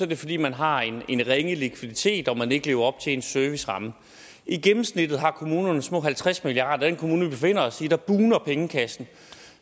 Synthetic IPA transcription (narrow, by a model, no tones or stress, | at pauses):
sɒd̥e̝fɒ̽d̥ḭːmænɦɑ̈e̝nenʁɛŋəlikʰʋiðˠit͡sʰe̝̰ːd̥ɒ̽mæne̝ɡ̥əle̝ːʊɐɒ̽b̥t͡sʰe̝e̝nsœɐʋisʁɑ̈mə | iɡ̥emm̩snid̥ð̩ˠɦɑ̈kʰo̝muːnɐnəsmɔ̰̽ːɦælt͡sʰʁasmilijɑ̰̈d̥ɐdenkʰomuːnəb̥e̝fe̝n̰ɐɒ̽sid̥ɑ̈b̥uːnɐpʰeŋəkʰæsn̩